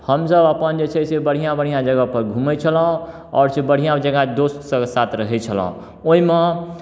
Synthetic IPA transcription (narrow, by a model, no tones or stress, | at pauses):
həmsəbəpənd͡ʒet͡ʃʰɛsebəɽ̤ijãbəɽ̤ijãd͡ʒəɡəpəɾɡʱumɛt͡ʃʰələ̃ | ɔ̰ːɾsebəɽ̤ijãd͡ʒəɡad̪ossəsat̪ɾəɦɛt͡ʃʰələ̰̃ | oɦime